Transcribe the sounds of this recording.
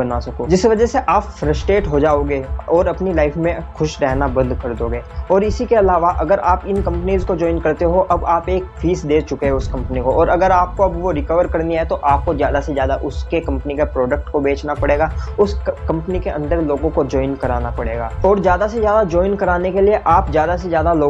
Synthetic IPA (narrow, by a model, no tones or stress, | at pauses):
bɐnasɐkoːd͡ʒɪsʋɐd͡ʒɛseʔaːpfɾɐsʈɾeːʈɦod͡ʒaːoːɡeːɔːɾɐpnilaːɪfmẽxʊʃɾɛɦnabɐ̃nd̪kɐɾd̪oːɡeːɔːɾɪsikeɐlaːʋaʔɐɡəɾaːpɪnkɐ̃mpəniːzkod͡ʒɔːɪnkɐɾt̪eɦoʔɐbaːpeːkfiːsd̪eːt͡ʃʊkeɦɛʊskɐ̃mpnikoʔɔːɾɐɡəɾaːp̚koɐbʋoɾɪkəʋəɾkɐɾniaɦɛt̪oʔaːp̚kozjaːd̪asezjaːd̪aʔʊskekɐ̃mpənikepɾoːɖək̚ʈkobeːt͡ʃnapɐɽeːɡaːʊskɐ̃mpənikeʔɐ̰̃nd̪əɾloːɡõkod͡ʒɔːɪnkɐɾaːnapɐɽeːɡaːɔːɾzjaːd̪asezjaːd̪ad͡ʒɔːɪnkɐɾaːnekelieʔaːpzjaːd̪asezjaːd̪aloː